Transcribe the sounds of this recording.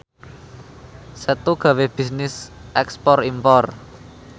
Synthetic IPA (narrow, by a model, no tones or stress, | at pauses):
sət̪uɡ̥ä̤web̥i̤snɪsʔɛkspɔrimpɔr